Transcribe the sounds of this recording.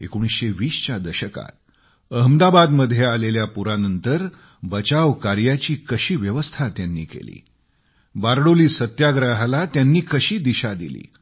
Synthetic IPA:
ḛkoɽ̃isɕeʋiːst͡ɕjad̪əɕəka̰t̪̚ | əɦəmd̪abad̪məd̪ʱːjealeljapuɾanənt̪əɾ | bət͡ɕaʋkaɾjat͡ɕiːkəɕiːʋjəʋəst̪ʰat̪janːiːkḛlḭː | baɾɽoliːsət̪jaɡɾəɦlat̪janːiːkəɕiːd̪iɕad̪ḭlḭː

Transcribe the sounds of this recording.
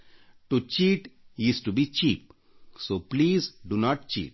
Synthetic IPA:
ʈut͡ʃiːʈisʈubit͡ʃiːp̚ | soːpliːzɖunɔːʈ̚t͡ʃḭːʈ

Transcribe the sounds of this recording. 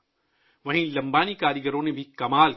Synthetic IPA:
ʋɐɦĩlɐ̃mbaːnikaːɾiɡəɾõnẽbʱikɐmaːl

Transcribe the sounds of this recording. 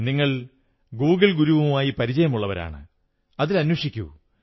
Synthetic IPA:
niŋːɐɭ | ɡuːɡɐɭɡuɾuʋumaːjipɐɾit͡ɕɐjɐmuɭːɐʋɐɾa̰ːɳɨ̰ | ɐðilɐnwɐʂikʲːṵ

